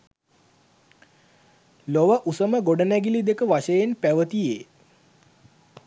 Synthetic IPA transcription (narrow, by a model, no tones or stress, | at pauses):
loʋəʔusəməɡoɖənæɡilid̪ekəʋaʃəjenpæʋət̪ijeː